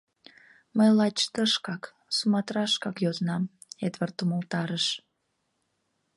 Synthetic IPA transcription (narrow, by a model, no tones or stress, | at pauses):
məjlɑt͡ɕt̪əʃkɑk | sumɑt̪rɑʃkɑkjoznɑm | ed̪vərt̪umolt̪ɑɾəʃ